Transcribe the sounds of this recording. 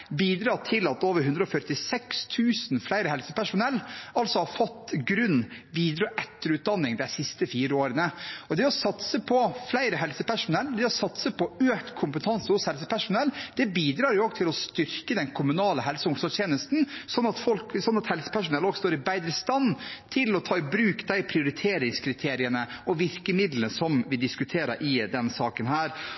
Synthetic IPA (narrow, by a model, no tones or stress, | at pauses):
biːd̪ɾɑːʈʰɪlɑt̪oːʋəɾɦʉnd̪ɾɔfœʈɪsɛkst̪ʰʉːsnflæɪɾəɦɛlsə̥pæʂʊnɛlːɑlsɔhɑɾfɔt̪ːɡɾʉnʋiːd̪ɾɑʔɛt̪ːəɾʉːt̪̚d̪ɑnːɪŋd̪æɪsɪst̪əfiːɾəoːɾənəɔd̪ɛɔsɑt̪səpʰɔflæɪɾəɦɛlsəpʰæʂʊnɛlːd̪ɛɔsɑt̪səpʰɔøːkt̪kʰʊmpət̪ʰɑnsəhʊshɛlsəpæʂʊnɛlːd̪̥ɛbiːd̪ɾɑːɾjʊoːɡt̪ʰɪlɔst̪ʏɾkəd̪ɛnkʰʊmʉnɑːləɦɛlsəʊŋsɔt̪ʰjeːnəst̪nsɔnɑt̪fɔlksɔnɑt̪hɛlsə̥pʰæʂʊnɛlːɔːɡst̪oːɾɪbæɪd̪ɾəst̪ɑnːt̪ʰɪlɔt̪ʰɑːɪbɾʉːkd̪æɪpʰɾɪʊɾɪt̪ʰeːɾɪŋskʰɾɪt̪ʰeːɾɪənəɔʋɪɾkəmɪd̪ləsɔmʋɪd̪ɪskʉt̪ʰeːɾə̰ɾʔɪd̪ɛnsɑːkənɦæːɾ